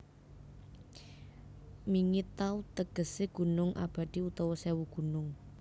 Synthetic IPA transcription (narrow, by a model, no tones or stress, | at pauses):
miŋɪt̪aut̪əɡ̥ə̤seɡ̥ṳnʊŋʔa̰b̥a̤d̪̥iut̪ɔwɔsɛwuɡ̥ṳnʊŋ